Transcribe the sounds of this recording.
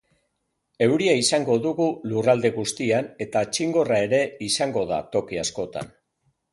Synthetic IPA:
e̞wɾiaisaŋɡo̞ðuɣulurald̪e̞ɣust̪iane̞t̪at͡ʃiŋɡo̞rae̞ɾe̞isaŋɡo̞ða̰t̪o̞kiasko̞t̪a̰n

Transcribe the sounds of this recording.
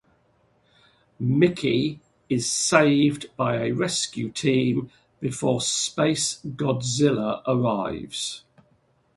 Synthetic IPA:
mɪkʰi | ɪz̥seɪvbaɪəɹɛskjʉtʰĩːm | b̥ɪfɔːspeɪsɡ̥ɒdzɪləɹʔəɹaɪvz̥

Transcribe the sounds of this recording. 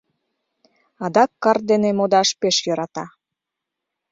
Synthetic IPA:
ɑd̪ɑkːɑrd̪enemod̪ɑʃpeʃjɤɾɑt̪ɑ

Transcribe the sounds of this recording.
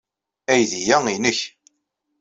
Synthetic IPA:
æjðijæinəç

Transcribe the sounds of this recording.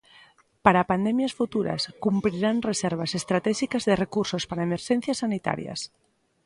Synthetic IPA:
paɾapand̪emjasfut̪uɾa̰skumpɾiɾanreseɾβ̞asest̪ɾat̪ɛʃikazðerekuɾsospaɾaemeɾʃen̟θjasanit̪a̰ɾja̰s

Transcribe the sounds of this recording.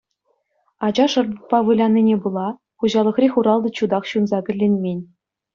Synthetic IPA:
ɑd͡ʑɑʂɤ̆rd̪ɤ̆pːɑʋɯlʲɑnʲːinʲebɯlˠɑ | χuʑɑlˠɤ̆χrʲexʲuɾɑlˠd̪ɤ̆t͡ɕud̪ɑχɕunzɑkʲɘ̆lʲːenʲmʲenʲ

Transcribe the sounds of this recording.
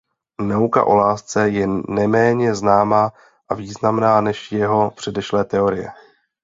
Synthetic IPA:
nawka̰ʔo̞̰laːst͡sɛjɛnɛmɛːɲɛznaːmaː | ʔaviːznamnaːnɛʃjɛɦo̞pr̥ɛdɛʃlɛːt̪ɛo̞ɾɪjɛ̰

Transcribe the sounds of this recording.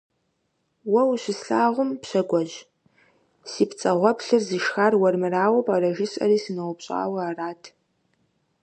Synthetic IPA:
wɐwɕɪsɬaːʁʷʊmpɕɐɡʷɔʑ | siːpt͡sʼɐʁʷɔpɬɨrzɨʃxaːrwɐrmɨraːwɐpʼɐɾɐʒɪɕʼɐ̰ɾiːsɨnɐwʷʊpɕʼa̰ːwɐaːraːtʰ

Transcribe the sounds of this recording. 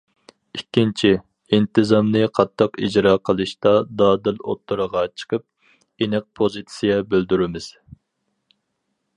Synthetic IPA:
ikʲːint͡ʃʰi | int̪ʰɨzɑmnɨqʰɑt̪ʰːəqid͡ʒɾɑːqʰəlˠɨʃt̪ɑd̪ɑːd̪ɪlot̪ʰːuɾəʁɑt͡ʃʰə̥qʰəp̚ | enɪq̚pʰozit̪sijɛbøld̪yɾɪmɪz̥

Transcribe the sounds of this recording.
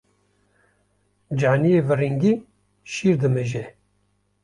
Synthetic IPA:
d͡ʒaːnijeːvɨɾiŋɡi | ʃiːɾd̪ɨmɨʒɛ

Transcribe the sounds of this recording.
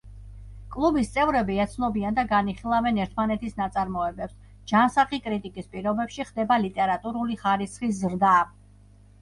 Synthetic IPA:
kʼlˠubist̪sʼɛvɾɛbiat̪sʰnɔbiand̪aɡaniχilˠavɛnɛɾt̪ʰmanɛt̪ʰisnat̪sʼaɾmɔɛbɛps | d͡ʒansaχikʼɾit̪ʼikʼispʼiɾɔbɛpʃiχd̪ɛbalit̪ʼɛɾat̪ʼuɾuliχaɾisχis̬ɾd̪a

